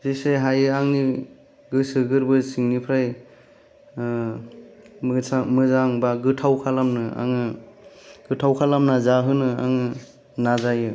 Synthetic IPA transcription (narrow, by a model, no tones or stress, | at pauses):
zeseɦajɯaŋni | ɡɯsɯɡɯɾbɯsiŋnipʰɾaj | samɯzaŋbaɡɯtʰawkʰalamnɯa̰ŋɯ | ɡ̥ɯtʰawkʰalamnazaɦɯnɯa̰ŋɯ | nazajɯ